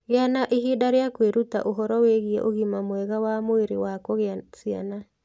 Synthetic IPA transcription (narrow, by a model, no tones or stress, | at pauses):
ɣeanaʔiɦidaɾeakweɾuta̰ʔoɦɔɾɔweɣiɛ̰ʔoɣimamwɛɣawamoeɾewakɔɣeasia̰na